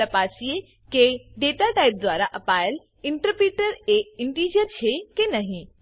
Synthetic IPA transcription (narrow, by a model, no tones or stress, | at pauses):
əpaːsie | keɖeːʈaʈaːɪp̚d̪wʋaːɾaʔɐpaːjəl | ɪɳʈəɾpɾiːʈəɾeɪɳʈiːd͡ʒəɾt͡ɕʰekenɐɦĩ